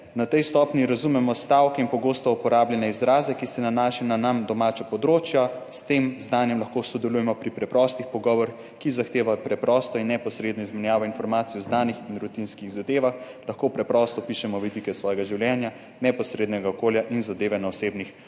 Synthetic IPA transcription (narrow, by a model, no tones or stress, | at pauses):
nat̪ɛjst̪ɔpnjiɾazumɛmɔst̪awkɛinpɔɡoːst̪ɔupɔɾaːbljɛnɛizɾaːzɛkisɛnanaːʃɛnanamd̪ɔmat͡ʃɔpɔd̪ɾoːt͡ʃjast̪emznaːnjɛmlɐxkosɔd̪ɛlujɛmɔpɾipɾɛpɾɔst̪ixpɔɡɔːʋɔɾx | kizaxt̪eːʋapɾɛpɾɔːst̪ɔinːɛpɔsɾeːd̪nɔizmɛnjaːʋɔinfɔɾmaːt̪sijɔznaːnixinɾut̪inskiɣzad̪eːʋax | laxkoːpɾɛpɾɔst̪ɔpiʃɛmɔʋid̪ikɛsʋɔjɛɡaʒiwljɛnja | nɛpɔsɾed̪nɛɡaɔkoljaʔinzad̪eːʋɛnaɔseːbnix